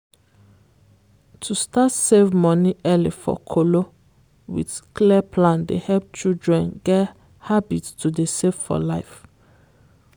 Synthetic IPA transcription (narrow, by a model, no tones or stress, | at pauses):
tʰustatsevmɔ̃niɛlifɔ̰kʰolo | wḭdkliəpʰlãndehɛlp̚t͡ʃildɹɛ̃nɡɛt | habitstʰudesevfɔ̰laɪf